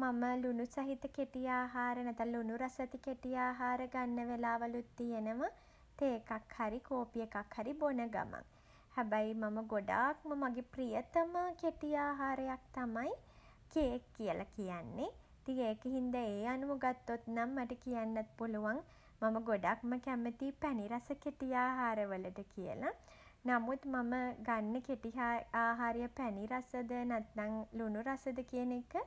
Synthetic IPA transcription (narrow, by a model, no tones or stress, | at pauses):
maməlunusɐɦit̪əkeʈijaːɦaːɾənɛt̪anlunuɾasɐt̪ikeʈijaːɦaːɾəɡanːəʋelaːʋalut̪ːijenəʋa | t̪eːkakhaɾikoːpijekakhaɾibonəɡa̰ma̰ŋ | hɛbajmaməɡoɖa̰ːkməmaɡeprijət̪əməkeʈijaːɦaːɾəjak̚t̪amaji | keːkːijəlʔakijanːe | it̪iŋeːkəɦind̪əeːanuʋuɡat̪ːot̪namːaʈəkijanːat̪puluʋaŋ | maməɡoɖaːk̚məkæmət̪iːpæniɾasəkeʈijaːɦaːɾəʋələʈəkijə̰la | namut̪maməɡanːəkeʈiɦaaːɦaːɾejəpæniɾasəd̪ənæt̪naŋlunuɾasəd̪əkijənekə